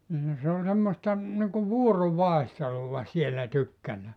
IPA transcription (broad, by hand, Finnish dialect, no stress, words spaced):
nin se o semːostɑ niŋku ʋuoroʋɑehteluʋɑ sielːæ tykːænæː